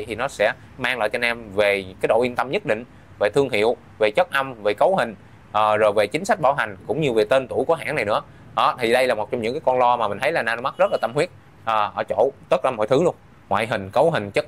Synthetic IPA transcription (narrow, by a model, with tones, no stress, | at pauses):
t̪ʰi˨˩nɔ˨˦sɛ̰˧˥ | maː˧ŋla̰ː˧˨jt͡ɕɔ˧nɛ˧mve˨˩kaː˨˦jɗo̰˧˨ʔi˧ənt̪ə˧mɲə˦˥t̚ɗḭ̈˧˨ŋ̟ | ve˨˩t̪ʰɨ˧əŋɦḭ˧˨əw | ve˨˩t͡ɕə˦˥t̚ʔə˧mve˨˩kə˨˦wɦï˨˩ŋ̟ | ʔəː˨˩zo˨˩jve˨˩t͡ɕï˨˦ŋ̟sa˦˥k̟̚ɓaː˧˩wɦa˨˩ŋ̟kʊ̰˧˥ŋ͡mɲɨ˧ve˨˩t̪e˧nt̪u˧˩˨jku˧˩əɦa̰ː˧˨na˨˩jnɨ̰˧˥ə | ʔɔ˨˦t̪ʰi˨˩ɗə˧jlaː˨˩mo˨˩t͡ɕɔ˧ŋ͡mɲɨ̰˧˥kaː˨˦jkɔ˧nlɔ˧maː˨˩mï̟˨˩t̪ʰjlaː˨˩naː˧˩n˧ma˦˥t̚zə˦˥laː˨˩t̪ə˧mhwi˦˥ət̚ | ʔəː˨˩ʔəː˧˩t͡ɕo̰˧˨t̪ə˦˥laː˧˩mɔ̰˧˨jt̪ʰɨ˨˦lu˧ən | ŋwa̰ː˧˨jɦï˨˩ŋ̟kə˨˦wɦï˨˩ŋ̟t͡ɕə˦˥k̚